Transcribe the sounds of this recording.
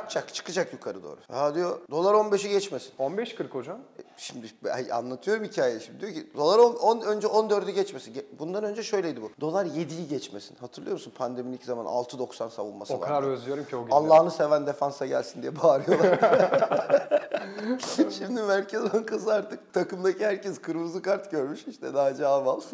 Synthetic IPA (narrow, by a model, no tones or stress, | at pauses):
t͡ʃʰakt͡ʃʰɯ̥kɯd͡ʒakjukʰaɾɯd̪o̰ːɾṵhad̪ijo̞d̪o̞lˠaɾo̞nbeʃɛɟɛt͡ʃmesi̥nonbɛʃkʰɯɾkhod͡ʒamɛʃimd̪ɪbɛa̰nlˠat̪ʰɯjo̞ɾumhicʰaːjeɛʃimd̪id̪ijocid̪o̞lˠaɾononønd͡ʒɛʔo̞nd̪ø̞ɾd̪ɛɟɛt͡ʃmesinɟɛbund̪anø̞nd͡ʒɛʃø̞jlʲejd̪ibud̪o̞lˠaɾje̞d̪ijiɟɛt͡ʃmesinhat̪ʰɯɾlˠɯjo̞ɾmusunpʰand̪e̞minʲiczama̰na̰lˠt̪ʰɯd̪o̞ksansavṵnma̰sɯoaad̪aɾøzlʲyjoɾumcʰioɡalˠːaːnɯse̞vænd̪e̞fansaɟælʲsind̪ijɛbaːɾɯjolˠaɾ | ʃimd̪imæɾcʰɛzhaŋkʰasɯaɾt̪ɯk̚t̪ʰakɯmd̪acʰihæɾcɛzkʰɯɾmuzɯkaɾt̪ɟø̞ɾmyʃiʃt̪ʰɛd̪aɦad͡ʒaːbalˠsɯ